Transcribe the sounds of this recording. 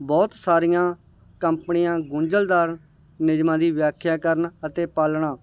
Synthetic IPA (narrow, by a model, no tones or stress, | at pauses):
bɔːt̪saːɾɪjãː | kəmpənɪjãːɡʊ̃ɲd͡ʒəld̪aːɾ | nɪd͡ʒmãːd̪iːʋjaːkʰjaːkəɾənət̪eːpaːlɳaː